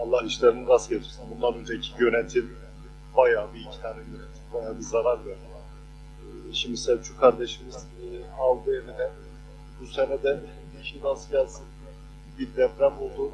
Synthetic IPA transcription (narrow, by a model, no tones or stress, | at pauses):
ɑlˠːahiʃlʲeɾiniɡ̪asɟet̪ʰi̥ɾsinbund̪anønt̪ʰɛcʰijønet̪ʰil | bajaːbiilʲcʰi̥t̪ʰaːnɛjønɛt̪ʰi̥pbajaːbizaɾaɾjøɾɛ | ʃimd̪isɛt͡ʃʰykʰaɾd̪eʃimiz̥ | alˠd̪ɯevinɛ | busenɛd̪ɛ | iʃid̪asɟalsɯn | biɾd̪ɛfɾæmolˠd̪u